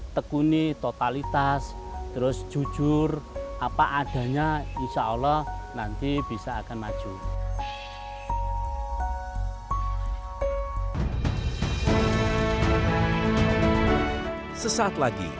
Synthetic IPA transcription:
t̪əkunit̪ot̪alit̪as | t̪əɾʊsd̥ʒ̥ṳd̥ʒ̥ʊrʔapaʔaɖ̥ä̤ɲainʃaʔalɔhnant̪ib̥i̤sɔakanmad̥ʒ̥u | səsat̪laɡ̥ḭ

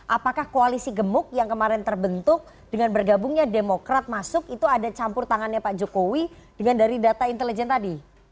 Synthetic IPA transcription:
ʔapakahkoalisiɡəmʊk̚jaŋkəmaɾɛnt̪ərbənt̪ʊk̚ | d̥əŋanbərɡabʊŋɲademokɾat̪̚masʊkit̪uadat͡ʃampʊrt̪aŋanɲapaʔd͡ʒokowid̥əŋandaɾidat̪aint̪elid͡ʒɛnt̪adi

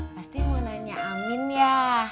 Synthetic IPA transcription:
past̪imənaɲaʔːminja

